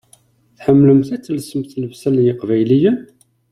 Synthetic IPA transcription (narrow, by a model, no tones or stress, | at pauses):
θħəmːləmθæt͡sːəlsəmθləvsæljɪqvæjlijən